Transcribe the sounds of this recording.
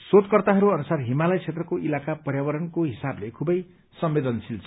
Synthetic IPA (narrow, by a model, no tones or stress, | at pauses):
sod̪̚kʌrt̪aɦʌɾuʌnusarɦimalʌjt͡sʰet̪rʌkoʔilakapʌrjabʌɾʌnkoɦisablekʰubʌj | sʌmbed̪ʌnsilt͡sʰ